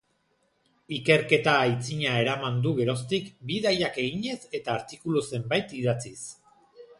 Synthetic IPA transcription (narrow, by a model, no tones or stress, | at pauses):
ike̞ɾke̞t̪ajt͡siɲae̞ɾamand̪uɣe̞ɾo̞st̪ikbiðajake̞ɣiɲe̞se̞t̪aːɾt̪ikuluse̞mbajt̪iðat͡sis